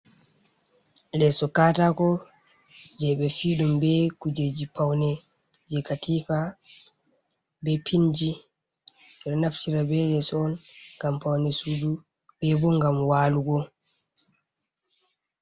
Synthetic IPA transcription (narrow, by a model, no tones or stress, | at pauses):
lɛsɔkaːtakɔ | d͡ʒɛɓɛfiɗumbɛkud͡ʒed͡ʒipawnɛ | d͡ʒɛkatifa | bɛpʰind͡ʒi | ɛɾnaftiɾabɛlɛsɔɔnɡampawnɛsudu | bɛbɔŋɡamwaːluɡɔ